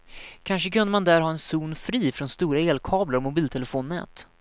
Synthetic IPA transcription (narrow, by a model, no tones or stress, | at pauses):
kʰanʂəkɵnd̪əmand̪æɾɦɑːɛnsuːnfɾiːfɾɔnst̪uːɾaeːlkʰɑːblaɾmʊbiːlt̪ʰɛlɛfoːnːɛ̰ːt̪